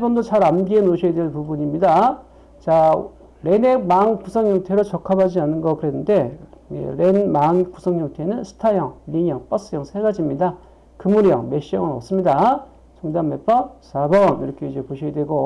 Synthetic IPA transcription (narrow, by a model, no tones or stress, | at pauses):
ebʌndot͡ɕaɾamɡienoɕʰijedwenpubuɲimɲida | t͡ɕa | ɾe̞nemaŋkusʰʌŋhʌŋtʰe̞ɾot͡ɕʌkʰabad͡ʑianɯnɡʌkɯɾe̞nːɯnde̞ḛɾe̞nmaŋku̥sʰʌŋjʌŋtʰe̞nɯnsʰɯ̥tʰajʌŋliɲjʌŋp͈ʌs͈ɯjʌŋsʰeɡad͡ʑimɲida | kɯmuɾjʌ̰ŋme̞ɕ͈iʌŋɯnʌs͈ɯmɲida | t͡ɕʌŋdamme̞p͈ʌsabʌniɾʌkʰe̞id͡ʑe̞poɕʰijedweɡo